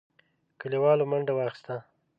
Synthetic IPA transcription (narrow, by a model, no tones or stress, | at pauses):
kəliwɑlomaɳɖawɑxɪ̥st̪a